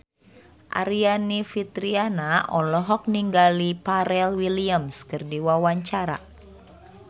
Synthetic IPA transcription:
ʔa̰ɾianifit̪ɾianaʔɔlɔɦɔk̚niŋɡalipaɾɛlwiliamskɨrdiwawaɲt͡ʃaɾa̰

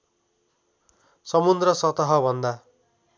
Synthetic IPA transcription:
sʌmund̪rʌsʌt̪ʌɦʌbʱʌnd̪a

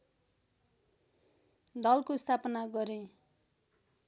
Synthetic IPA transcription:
d̪ʌlkost̪ʰapʌnaɡʌɾe

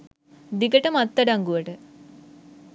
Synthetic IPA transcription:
d̪iɡəʈəmɐt̪ːɐɖaŋɡuʋəʈə

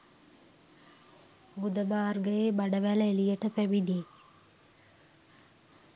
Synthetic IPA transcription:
ɡud̪əmaːrɡəjeːbaɖəʋæləelijəʈəpæʋidiː

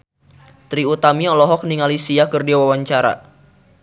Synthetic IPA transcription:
t̪ɾiut̪amiɔlɔɦɔk̚niŋalisiakərdiawawaɲt͡ʃaɾa̰

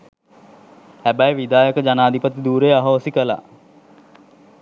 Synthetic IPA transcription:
hæbəjʋid̪aːjəkəd͡ʒanaːd̪ʱipət̪id̪uːɾejaɦoʋəsikəla̰

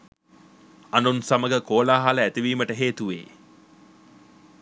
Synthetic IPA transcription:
anunsaməɡəkoːlaːɦaləæt̪iʋiːməʈəɦeːt̪uʋḛː

